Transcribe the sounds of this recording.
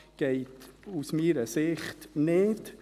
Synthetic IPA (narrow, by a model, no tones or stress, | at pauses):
ɡ̥ɛɪtusmiːɾəsɪχtnɪt